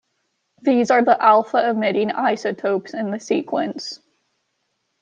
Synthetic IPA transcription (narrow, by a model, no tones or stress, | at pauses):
ðizə˞ðiʔælˠfəɪmɪɾɪ̃ŋa̰ɪsɨtʰoʊpsɨ̃nðɨsikʰwə̃nts